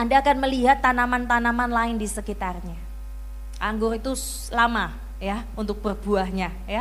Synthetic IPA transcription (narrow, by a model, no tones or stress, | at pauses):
andaːkanməliɦat̪ːanamant̪anamanlaɪndisəkit̪arɲa | ʔaŋɡʊrit̪us | əlama | ja | unt̪ʊk̚b̥ərbuahɲa | ja